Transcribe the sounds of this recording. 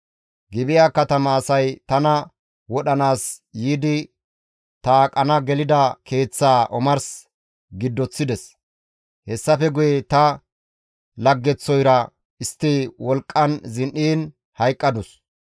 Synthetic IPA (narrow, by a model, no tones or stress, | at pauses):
ɡɪbɪjaːkɐt̪ɐmɐːsɐjt̪ɐnɐ | wɔɗɐnaːsjiːd̪ɪ | t̪aːkʼɐnɐɡɛlɪd̪ɐkʰe̞ːt͡sːaːʔɔmɐɾs | ɡɪd̪ːɔt͡sːɪd̪ɛs | hɛsːɐfɛɡʊjɛt̪ɐ | lɐɡːɛt͡sːɔjɾɐ | ɪst̪ːiwɔlkʼːɐnzɪnʔiːn | hɐjkʼːɐd̪ʊs